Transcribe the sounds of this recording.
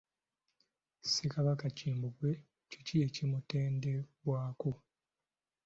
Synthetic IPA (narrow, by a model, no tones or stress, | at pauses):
sekaβakaciːmbuɡwe̞ | cicije̞cimute̞ːndebwaːko